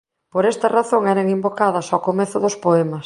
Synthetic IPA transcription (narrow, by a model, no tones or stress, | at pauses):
poɾɛst̪ɐraθoŋɛɾɐŋimbokaðɐsawkomeθʊðʊspoɛmɐs